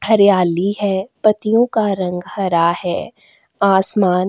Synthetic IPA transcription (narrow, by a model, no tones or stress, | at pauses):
hɐɾjaːliɦɛːpɐt̪ijõkaɾɐ̃ŋɡhɐɾahɛː | aːsmaːn